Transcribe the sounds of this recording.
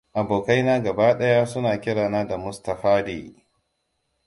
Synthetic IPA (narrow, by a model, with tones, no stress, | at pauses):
ʔa˨boː˨ka˦jnaː˦ɡɐ˨baː˦ɗɐ˦jaː˦sʊ˦naː˨kʲɪ˦ɽaː˨naː˦da˨mʊ˦stɐ˨ɸaː˦dḛː˨